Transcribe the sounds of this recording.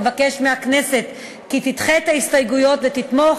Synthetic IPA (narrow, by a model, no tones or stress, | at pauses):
vake̞ʃmeakne̞se̞t̪ | kit̪it̪χet̪aist̪ajɡujo̞t̪vet̪it̪mo